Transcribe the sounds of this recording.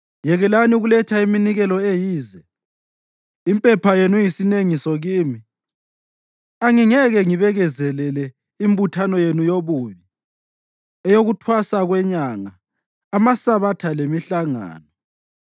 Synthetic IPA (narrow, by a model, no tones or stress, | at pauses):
jɛɣɛlaniuɣulɛtʰaiminiɣɛlɔejiːzɛ | mpʼɛpʰajenujisineŋisɔɣiːmi | aŋiŋɛɣɛŋiβɛɣɛzɛlɛlɛ | imbutʰanɔjenujoβuβi | ɛjoɣutʰwasaɣwɛɲaŋaː | masaβatʰalemiɬaŋa̰ːnɔ